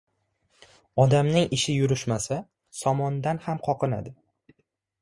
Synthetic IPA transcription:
ɒd̪amnɪŋɪʃɪjʊɾʊʃmasa | sɒmɒnd̪anhamqʰɒqʰɨna̰d̪ɪ

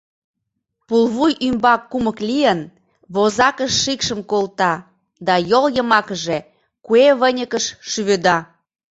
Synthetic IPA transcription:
pulˠβujymbɑkːuməklijən | βozɑkəʃːikʃəmkolt̪ɑ | d̪ɑjoljəmɑkəʒe | kueβənʲəkəʃʃyβød̪ɑ

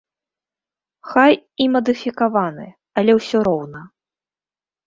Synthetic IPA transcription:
xajimɐd̪ɨfʲikavanɨ̰ | ɐlʲɛwsʲɔɾɔwnɐ

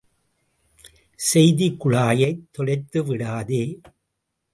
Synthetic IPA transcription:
sɛjðikːʊɻaːjɐɪt̪ːɔɻɐɪt̪ːɯʋɪɽaːðeː

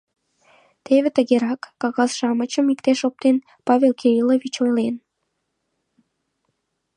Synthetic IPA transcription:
t̪eβĕt̪əɣeɾɑkːɑɣɑsʃɑmət͡ɕəmikt̪eʃop̚t̪en | pɑβelkʰeɾiloβit͡ɕojlen

